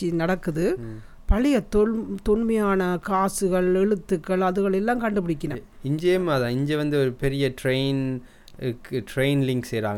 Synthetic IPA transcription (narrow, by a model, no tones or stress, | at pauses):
inɐɽɐkːɯðɯ | pɐlɪjɐt̪t̪ʊnmɐjaːnɐkaːsɯɣɐɭɛɻɯt̪ːɯkːɐɭɐðɯɣɐɭɛlːãːŋkɐɳɖɯpɪɽɪkːɪnɐ | ɪɲd͡ʒejɐmɐðãːɪɲd͡ʒɛʋɐnd̪ɯɔɾɯpɛɾɪjɐʈɾeɪn | kːʈɾeɪnlɪŋɡsɛjɾa̰ːŋɡ